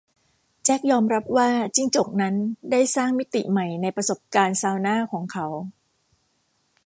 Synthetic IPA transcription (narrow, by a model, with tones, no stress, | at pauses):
t͡ɕɛ˦˥k̚jɔː˧mɾa˦˥p̚waː˥˩t͡ɕi˥˩ŋt͡ɕo˨˩k̚na˦˥ndaː˥˩jsaː˥˩ŋmi˦˥t̪i˨˩ma˨˩jna˧jpɾa˧so˨˩p̚kaː˧nsaː˧wnaː˥˩kʰɔː˩˦ŋkʰa˦˥w